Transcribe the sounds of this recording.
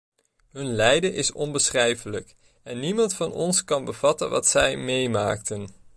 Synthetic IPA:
ɦɵnlɛjdəʔɪsɔnbəsχrɛjfələk | ɛnːimɑntfɑnɔ̰nskɑnbəv̥ɑtənʋɑ̰tsɛjmejma̰ːktən

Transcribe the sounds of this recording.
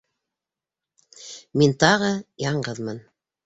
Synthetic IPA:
mint̪ɑʁɤjɑɴɢɤðmɤn

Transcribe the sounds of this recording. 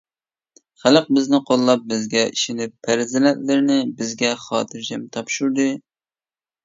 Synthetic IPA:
χæləq̚bɪznɪqʰolˠːɑp̚bɪzɡʲɛiʃɪnɪpʰːæɾzɪlɛt̪lɪɾɪnɪbɪzɡʲɛχɑ̰ːt̪ʰɨɾd͡ʒɛmt̪ʰɑpʃuɾd̪ɨ

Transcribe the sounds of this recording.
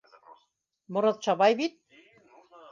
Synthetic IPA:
mŏɾɤ̆t̪̚t͡ʃɑβɑjβit̪̚

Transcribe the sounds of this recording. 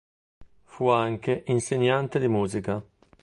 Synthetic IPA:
fuaŋkeʔinseɲːant̪ed̪imuːzika

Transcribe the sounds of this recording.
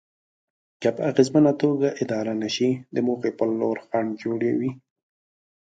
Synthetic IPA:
kapəaɣezmənat̪oɡaʔɪd̪ɑɾanaʃid̪əmoxepəlːoɾxɑɳd͡ʒoɽewi

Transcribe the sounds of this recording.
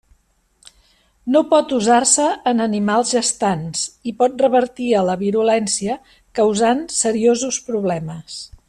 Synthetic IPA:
nopɔt̪uzarsəːnənimalˠzʒəst̪ansipɔt̪̚rəβəɾt̪iələβ̞iɾulɛnsiə | kəwzansəɾiozuspɾuβlɛməs

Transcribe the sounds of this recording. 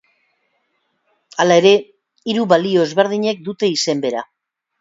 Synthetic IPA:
alae̞ɾe̞ | iɾuβalio̞ezβe̞ɾð̞iɲe̞k̚d̪ut̪e̞ise̞mbe̞ɾa

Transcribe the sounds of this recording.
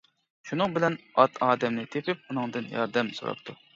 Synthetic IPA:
ʃunɨŋbɪlɛnɑt̪ʰɑːd̪ɛmnɪt̪ʰepʰɪp̚unɨŋd̪ɨnjɑ̰ɾd̪ɛmso̰ɾɑ̰p̚t̪ʰu

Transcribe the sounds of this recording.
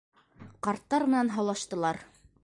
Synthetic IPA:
qɑɾt̪ːɑɾmɘ̆nɑnɦɑwlˠɑʃt̪ɤ̆lˠɑɾ

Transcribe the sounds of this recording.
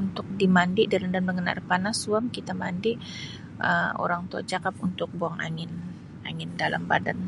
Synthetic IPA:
unt̪ʊk̚dimandɪʔdalamdanəŋəna̰rpanasuamkit̪amandiʔ | ʔə̰o̰ɾaŋt̪ua̰d͡ʒakapunt̪ʊk̚boaŋa̰ŋɪn | aŋɪndala̰mba̰da̰n

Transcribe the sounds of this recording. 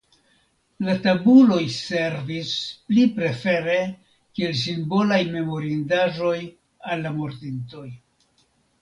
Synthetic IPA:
latabulo̞jse̞ɾvisplipɾe̞fe̞ɾe̞ | kie̞ls̬imbo̞lajme̞mo̞ɾindaʒo̞j | alːamoɾtinto̞j

